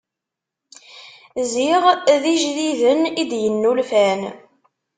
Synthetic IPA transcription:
ziʁðiʒðiðənid̪jənːulfæn

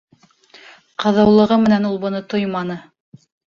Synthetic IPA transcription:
qɤ̆ðɤ̆wlˠɤ̆ʁɤmɘ̆nænulˠbŏnɤt̪ojmɑnɤ

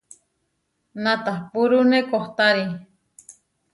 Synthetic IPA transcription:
nat̪ahpuɾunekoht̪aɾi

